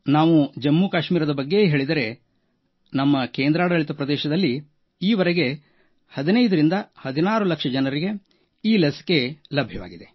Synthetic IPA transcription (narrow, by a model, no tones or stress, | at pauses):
naːʋud͡ʒɐmːuːkaːʃmiːɾɐd̪ɐbɐɡːe̞ɦeːɭid̪ɐɾe̞ | nɐmːɐkeːnd̪ɾaːɽɐɐɭit̪ɐpɾɐd̪ɛːʃɐd̪ɐlːi | iːʋɐɾeɡe | hɐd̪inɐjd̪ɐɾind̪ɐhɐd̪inaːɾulɐkʂɐd͡ʒɐnɐɾiɡe̞ | iːlɐsi̥ke̞lɐbʱjɐʋa̰ːɡid̪e̞